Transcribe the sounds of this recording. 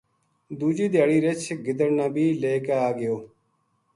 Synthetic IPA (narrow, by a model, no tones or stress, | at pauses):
d̪uːd͡ʒiːd̪jaːɽiːɾɪt͡ʃʰɡɪd̪əɾnãːbiːleːkaaːɡɪjoː